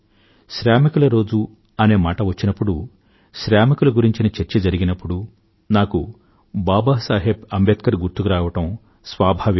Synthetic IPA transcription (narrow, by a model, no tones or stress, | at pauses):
ʃɾaːmikulɐɾo̞ːd͡ʒu | ɐne̞ːmaːʈɐʋɐt͡ʃːinɐpːuɽu | ʃɾaːmikulɐɡuɾiɲt͡ʃinɐt͡ʃɐɾt͡ʃɐd͡ʒɐɾiɡinɐpːuɽu | naːku | baːbaːsaːɦebɐmbet̪kɐɾɡuɾt̪ukuɾaːʋɐʈɐm | sʋaːbʱɐʋi